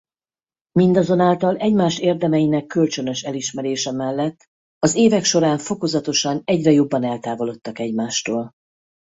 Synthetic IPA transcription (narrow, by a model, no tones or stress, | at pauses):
mind̪ɒzo̞naːlt̪ɒlɛɟmaːʃt̪eːrd̪ɛmɛjinɛkːø̞lt͡ʃø̞nø̞ʃɛliʃmɛɾeːʃɛmɛlːɛt̪ː | ɒzeːvɛkʃo̞ɾaːɱfo̞ko̞zɒt̪o̞ʃɒnɛɟrɛjo̞bːɒnɛlt̪aːvo̞lo̞t̪ːɒkɛɟmaːʃt̪oːl